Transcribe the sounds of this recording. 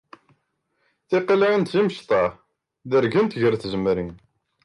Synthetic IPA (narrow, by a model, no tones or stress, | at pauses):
θiqilʕint̪ziməʃt̪ˤɑ | ðəɾɡənt̪ʝəɾθzəmɾin